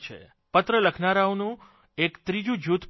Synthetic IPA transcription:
t͡ʃʰḛ | pət̪ɾələkʰnaɾawnũ | ekt̪ɾid͡ʒũd͡ʒut̪

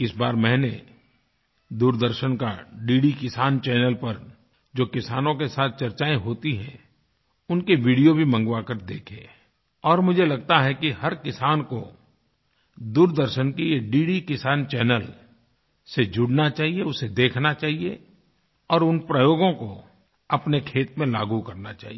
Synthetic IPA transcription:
ɪsbaːɾmɛ̃ːne | d̪uːɾd̪əɾʃənka̰ɖiːɽikɪsaːnt͡ʃɛːnəlpɐɾ | d͡ʒoːkɪsaːnõkesaːt̪̚ʰt͡ʃɐɾt͡ʃaːẽɦoːt̪iɦɛ̰̃ | ʊnkeʋiːɽijobʱimɐ̃ŋɡwakəɾd̪ḛːkʰeː | ɔːɾmʊd͡ʒʱelɐɡ̚t̪aɦɛkihɐɾkɪsaːnko | d̪uːɾd̪əɾʃənkieɖiːɽikɪsaːnt͡ʃɛːnəl | sed͡ʒʊɽnat͡ʃaːɦieʊsed̪eːkʰnat͡ʃaːɦie | ɔːɾʊnpɾəjoːɡõko | ɐpnekʰeːt̪mẽlaːɡukɐɾnat͡ʃa̰ːɦie

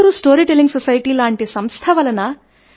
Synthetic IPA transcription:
ɾusʈoːɾiʈeliŋɡsɐsɐjʈiːlaːɳʈisɐmst̪ʰɐʋɐlɐnɐ

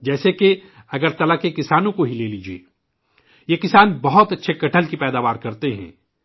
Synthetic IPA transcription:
d͡ʒɛːseke | ɐɡəɾt̪ɐlakekɪsaːnõkoɦileːliːd͡ʒiḛː | jekɪsaːnbɐɦɔt̪ɐtːʃʰekɐʈʰəlkipɛːd̪aːʋaːɾkɐɾt̪eɦɛ̰̃ː

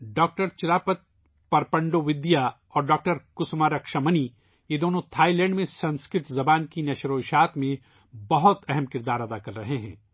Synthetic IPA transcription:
ɖɔːk̚ʈəɾt͡ʃɪlaːpət̪̚ | pɐɾpɐ̃ɳɖoʋɪd̪ija | ɔːɾɖɔːk̚ʈəɾkʊsmaːɾɐkʃəməni | jed̪oːnõt̪ʰaːilɛ̃ːɳɖmẽsɐ̃nskɾɪt̪zɐbaːnkinɐʃɾoːʃaːt̪mẽ | bɐɦʊt̪ɛɦɛmkɪɾd̪aːɾɐd̪akɐɾːɐɦeɦɛ̰̃ː

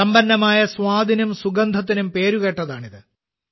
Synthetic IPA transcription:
ɐmbɐnːɐmaːjɐsʋaːd̪ʱinumsuɡɐnd̪ʱɐt̪ːinumpe̞ːɾuɣe̞ːʈːɐðaːɳiðɨ

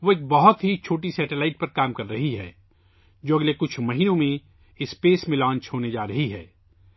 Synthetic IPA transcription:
ʋoːeːk̚bɐɦʊt̪ɦit͡ʃʰoːʈ̬isɛːʈelaːɪʈ̚pɐɾkaːmkɐɾːɐɦiɦɛ̰ː | d͡ʒoːɐɡlekʊt͡ʃʰmɐɦiːnõmẽ | ɪspeːsmẽlãːnt͡ʃɦoːned͡ʒaːɾɐɦiɦɛ̰ː

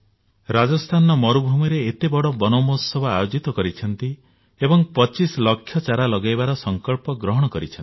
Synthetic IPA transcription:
ɾad͡ʒɔst̪ʰanɔmɔɾubʱumɔɾeːt̪ebɔɽɔbɔnɔmosɔbɔajod͡ʒit̪ɔkɔɾit͡ʃʰɔnt̪i | ebɔŋpɔt͡ʃisɔlɔkʰjɔt͡ʃaɾalɔɡajbaɾɔsɔŋkɔɭpɔɡɾɔɦɔɽ̃ɔkɔɾit͡ʃʰni

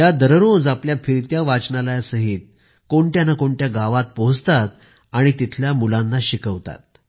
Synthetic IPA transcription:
jjad̪əɾəɾond͡zapljafʰiɾit̪jaʋat͡sɳalajsəɦiːt̪̚ | koɳʈjanakoɳʈjaɡaʋat̪̚pod͡zt̪at̪̚ | aɽ̃it̪it̪ʰljamulanːaɕikəʋt̪a̰t̪̚

